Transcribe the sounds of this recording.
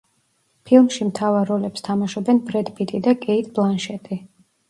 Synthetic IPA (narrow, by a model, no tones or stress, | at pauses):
pʰilˠmʃimt̪ʰavaɾːɔlɛpst̪ʰamaʃɔbɛnbɾɛd̪bit̪ʼid̪akʼɛit̪ʰʼblˠanʃɛt̪ʼi